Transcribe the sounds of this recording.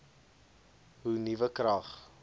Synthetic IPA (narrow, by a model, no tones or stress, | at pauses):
ɦunivəkrɾɐχ